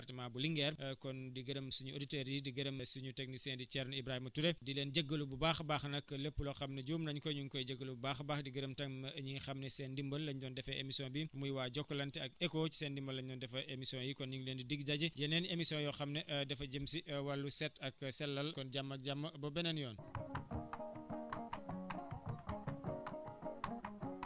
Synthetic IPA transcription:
ɐrtimaːbuliŋɡɛːrkɔndiɡɐɾemsuɲuoditeɾidiɡɐɾemsuɲutek̚nisɛːndit͡ʃɛɾnibɾahimɐtuɾedileːnd͡ʒəɡːəlububaːxbaːxnɐkːləpːulɔxɐmnɛɟuːmnɐɲkɔɲuŋkɔjɟəɡːəlububaxbaːxdiɡɐɾemtɐŋɲixɐmnɛsɛndimbɐlːɐɲɟɔːndɛfɛʔemisɔ̃nbimujwaːɟɔkːlɐntiɐkɛkoːt͡ʃsendimbɐlːɐɲɟɔːndɛfɐʔemisɔ̃njikɔnɲiŋleːndidiɡ̚ɟaɟijɐnenemisɔ̃njɔxɐmneʔdɛfɐɟəmsiwɐlːusɛtɐksɛlːɐlkɔnɟamːɐk̚ɟamːɐbɐbɛnɐnjɔːn

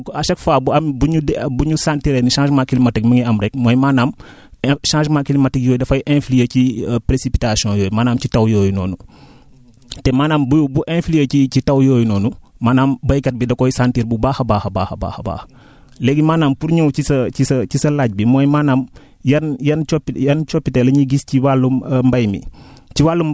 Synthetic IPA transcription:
kɐʃɐkfaːbuɐmbuɲudbuɲusantiɾeniʃãːʃmakilimatɛkmɐŋiɐmɾɛk̚mojmaːnaːm | ʃãːnʃmakilimatik̚jɔːjdɐfɐjʔẽflijəcipɾesipitasijɔ̃joːjimaːnaːmcitɐwjoːjunoːnu | tɛmaːnaːmbujbuʔẽnflijəcicitɐwjoːjnɔːnumaːnaːmbɐjkɐt̚bidɐkɔjsantiːɾbubaːxɐbaːxɐba̰ːxɐba̰xɐba̰ːxɐ̥ | lɛɡimaːnaːmpuɾɲuwcisɐcisɐcisɐlaːɟ̚bimɔːjmaːnaːm | jɐnjɐnt͡ʃɔpjɐnt͡ʃɔpːitelɐɲiɡisciwalːummbɐjmḭciwalːum

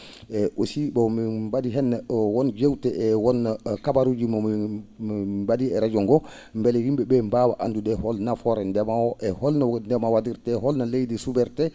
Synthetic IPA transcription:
ɛʔosibɔmimbadiɦɛnːawɔnd͡ʒewtɛɛwɔnːakabaɾud͡ʒimɔmiibadiɛɾad͡ʒɔŋɡɔ | mbɛlɛhimbɛbɛmbaːwaʔa̰ndudɛhɔlnafɔɾɛndɛmawɔʔɛhɔlnandɛmawadiɾtɛhɔlnalejdɛsubɛɾtɛ

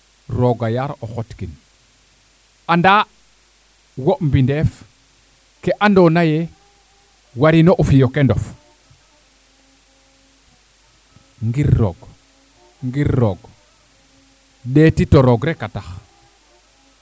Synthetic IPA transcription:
ɾoɡajaɾoxotkin | anda | woʔmbindef | keʔandonaje | waɾinoʔufijokendof | ŋɡiɾːo̰ɡ | ŋɡiɾːoɡ | detitoɾoɡɾekatax

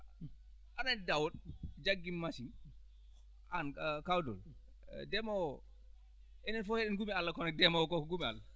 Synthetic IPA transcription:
ʔanadawɔɗd͡ʒaɡːimːasi | ʔankawdɔ̰l | dɛmɔ | ʔɛnɛnfɔheɗɛnɡumialːakɔnɛk̚dɛmɔwkɔkɔɡumia̰lːa

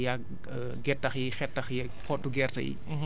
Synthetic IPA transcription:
ja | ɡɛtːɐxjixɛtːɐxjɛ | kʰɔtːuɡɛːrtɐ̰jḭ

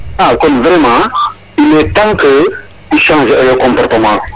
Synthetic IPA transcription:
akɔmvɾɛmɑ̃ | ilɛt̪ãkə | iʃãːʒələkɔ̃mpɔɾt̪əmɑ̃

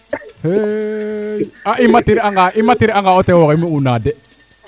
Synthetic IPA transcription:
he | aʔimatiɾiaŋɡaʔimatiɾiaŋɡaɔtɛwɔkimiunadɛ

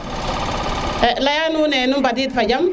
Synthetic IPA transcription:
lajanunɛnumbad̬itfad͡ʒam

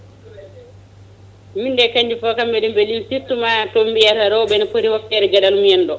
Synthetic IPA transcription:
mindɛkaɲd͡ʒifɔkambɛlimbɛlimsiɾtumatombijaɾaɾɔwbɛnapoɾihɔkːɛɾɛɡadalumjɛndɔ

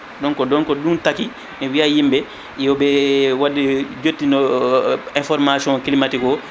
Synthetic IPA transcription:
dɔŋkɔdɔŋkɔduntaki | mɛwiajimbɛ | jɔbɛwadid͡ʒotːinɔ | ɛ̃nfɔɾmasiɔ̃ŋkilimatikɔ

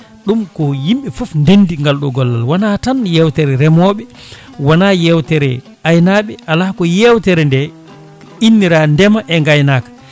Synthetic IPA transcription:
ɗumkɔjimɓɛfɔfndenːdiŋɡalɗɔɡɔlːa̰lwanatanjɛwtɛɾɛɾɛmɔːɓɛ | wanajɛwtɛɾɛ | ajnaɓɛʔalakɔjɛwtɛɾɛndɛ | inːiɾandɛmaʔɛŋɡajnaːkḁ

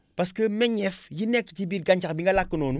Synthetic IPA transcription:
paskəmeɲɛfjinekːtibiːɾɡaɲt͡ʃakbiŋɡɐlakːənoːnu

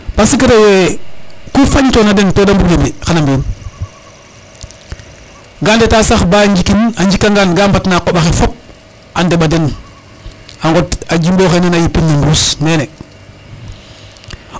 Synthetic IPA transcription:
pasikaɾewekufaɲtonadentoːdambuɡembixanambin | ɡaːndetaːsaxbaːɲd͡ʒikinaɲd͡ʒikːaŋɡanɡambatnakoɓaxefop̚ | andeɓaden | aŋɡotad͡ʒimboxenenajipːinːembɾusneːne

